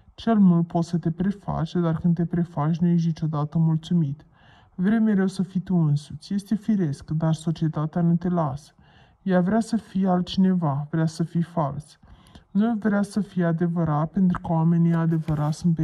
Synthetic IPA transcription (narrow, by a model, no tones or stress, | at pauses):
t͡ʃe̞lmult̪̚po̞t̪sət̪e̞pɾe̞fa̰t͡ʃed̪arkɨnd̪e̞pɾe̞fat͡ʃʲnuje̞ʃ̬nit͡ʃo̞d̪at̪əmult̪sumit̪ | vɾe̞mjeɾe̞wsəfijt̪uɨnsut̪sʲje̞st̪e̞fiɾe̞skd̪arso̞t͡ʃie̞t̪at̪eanut̪e̞lasə̥ | javɾasəfijealt̪̚t͡ʃine̞vavɾeasəfijfals | nuvɾeasəfijead̪e̞vəɾat̪̚pe̞nt̪ɾukəwoame̞niad̪e̞vəɾat̪sunt̪̚pe